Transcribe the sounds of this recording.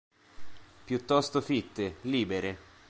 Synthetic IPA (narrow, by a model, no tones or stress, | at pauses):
pjut̪ːɔst̪ofit̪ːeliːbeɾe